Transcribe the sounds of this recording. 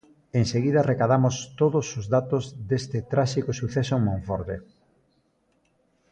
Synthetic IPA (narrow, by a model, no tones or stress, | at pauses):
eŋseɣiðɐrekaðamʊst̪oðʊsʊzðat̪ʊzd̪est̪ɪt̪ɾaʃikʊsuθesoeŋmõɱfɔɾðe